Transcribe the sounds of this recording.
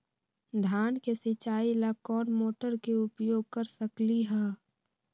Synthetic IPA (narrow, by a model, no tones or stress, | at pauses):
d̪ʱaːnkesɪt͡ʃaːilakɔːnmoːʈəɾkeʊpjoːɡ̚kəɾsəkliɦɛː